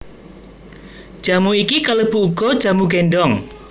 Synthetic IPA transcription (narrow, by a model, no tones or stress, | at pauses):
d̥ʒ̥a̤muikikaləb̥uuɡ̥ɔ̤d̥ʒ̥ä̤muɡenɖɔŋ